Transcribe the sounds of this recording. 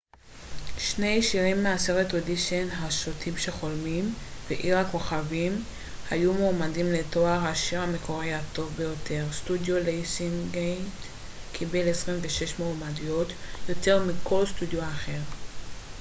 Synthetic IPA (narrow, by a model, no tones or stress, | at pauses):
ʃne̞jʃiʁimːease̞ʁeto̞diʃenɦaʃotʰimʃe̞χo̞lmimveʔiʁhako̞χavim | hajumoːmadimleto̞aʁhaʃiʁhame̞ko̞ʁihato̞vbe̞jo̞tʰe̞ʁstudjo̞lejsiŋɡejt | kʰibelesʁimveʃe̞ʃmoːmadijo̞tjo̞te̞ʁmikʰo̞lstudjoaχe̞ʁ